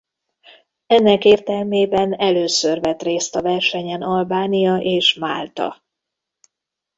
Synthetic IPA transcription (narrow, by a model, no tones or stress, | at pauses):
ɛnːɛkeːrt̪ɛlmeːbɛnɛløːsørvɛt̪reːst̪ɒvɛrʃɛɲɛnɒlbaːnijɒʔeːʃma̰ːlt̪ɒ̰